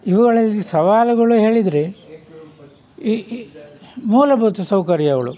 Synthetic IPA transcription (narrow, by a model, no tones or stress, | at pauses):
iʋuɡɐɭɐlːisɐʋaːlɐɡɐɭuɦe̞ːɭid̪ɾe | muːlɐbʱuːt̪ɐsɐwkɐɾjɐʋɐɭṵ